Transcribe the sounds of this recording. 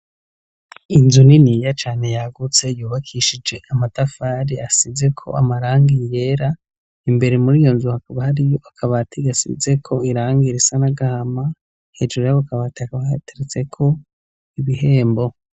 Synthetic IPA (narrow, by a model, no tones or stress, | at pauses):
inzuninijat͡ʃaːne̞jaɡut͡se̞juːβakʰiʃid͡ʒe̞ʔamatafaɾiasize̞kʰo̞̰ʔa̰maɾaːŋɡije̞ɾa | imbe̞ɾemuɾijo̞nzuhakaβahaɾijo̞akʰaβatʰiɡasḭze̞kʰo̞iɾaːŋɡiɾisanaɡahama | he̞ːd͡ʒuɾujaβokaβaːtiakaβateɾet͡se̞kʰo̞ | iβihe̞ːmbo̞